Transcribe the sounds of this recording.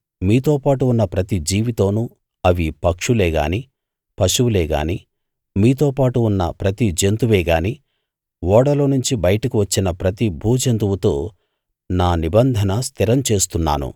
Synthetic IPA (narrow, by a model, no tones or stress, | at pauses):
miːt̪o̞ːpaːʈuːnːɐpɾɐt̪id͡ʒiːʋit̪o̞ːnu | ɐʋipɐkʂuleːɡa̰ːni | pɐʃuʋuleːɡa̰ːniː | miːt̪o̞ːpaːʈuːnːɐ̰pɾɐt̪id͡ʒent̪uʋeːɡaːniː | ʋɔːɽɐlo̞ːnuɲt͡ʃibɐjɐʈɐkiʋɐt͡ʃːinɐpɾɐt̪ibʱuːd͡ʒent̪uʋut̪oː | naːnibɐnd̪ʱɐnɐst̪iɾɐmt͡ʃe̞ːst̪unːa̰ːnṵ